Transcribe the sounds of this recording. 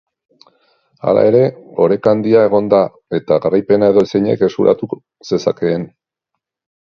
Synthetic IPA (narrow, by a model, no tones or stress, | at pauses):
a̰la̰e̞ɾe̞o̞ɾe̞kand̪iae̞ɣ̞o̞nd̪a | e̞t̪aɣarajpe̞nae̞ðo̞sejɲe̞̰ke̞skuɾʔa̰t̪u | se̞sa̰ke̞ːn